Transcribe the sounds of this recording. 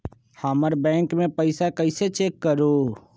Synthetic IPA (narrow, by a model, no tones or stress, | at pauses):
haːməɾbɛ̃ːŋkmẽpəɪsakəɪset͡ʃeːkːəɾoː